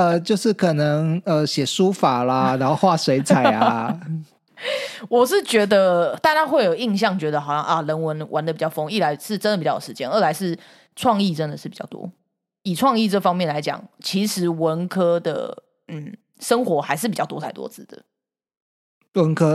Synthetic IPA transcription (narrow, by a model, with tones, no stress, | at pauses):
ə˧t͡ɕjo˥˧ʊʂɻ̩˥˩kʰɤ˨˩nə˧˦ŋə˧ɕjɛ˨˩ʂu˥˦fa˨˩la˦na˧˥nxo˥˧ʊxwa˥˨˩swe˧˥ɪt͡sʰa˨˩ɪ̰a˦ | wɔ˨˩ʂ̬ɻ̩˥˩t͡ɕɥɛ˧˥d̪ə˧t̪a˥˧t͡ɕa˥xwe˥˩ɪjo˨˩ʊi˥˧ŋɕ̬jɑ˥˨˩ŋt͡ɕɥɛ˧˥d̪ə˧xɑ˨˩ʊɕjɑ˥˧ŋʔɐ˥˩lə˧˥nwə˧˦˥nwʔa̰˧˥nd̪ə˨pi˨t͡ɕɑ˥˩fo˥ŋi˥˩la˧˥ɪʂɻ̩˥˩ʈ͡ʂə˥nd̪pi˨t͡ɕo˨˩ʂ̩˧t͡ɕjɛ˥˦nə˥˩la˧˥ɪʂɻ̩˥˩ | ʈ͡ʂʰwɑ˥˧ŋi˥˩ʈ͡ʂə˦˥nd̪ə˨ʂɻ̩˥˩pi˨˩t͡ɕɑ̰˥˩ʊt̪wɔ̰˥ | i˨˩ʈ͡ʂʰwɑ˥˧ŋi˥˧ʈ͡ʂɤ˥˩fɑ˥ŋmjɛ˥˩nla˧˦ɪt͡ɕjɑ̰˨˩˦ŋt͡ɕʰi˧˥ʂɻ̩˧˥wə˧˦˥nkʰɤ˥d̪ə̰˨˩ | n̩˥˩ | ʂə˥ŋxwɔ˧˥xa˧˥ɪʂɻ̩˥˩p̬i˨t͡ɕɑ˥˩t̪wɔ˥tʰa˥˩ɪt̪wɔ̰˥t͡sʰɹ̩˥˩d̪ə̰˩ | wə˧˦nkʰɤ˥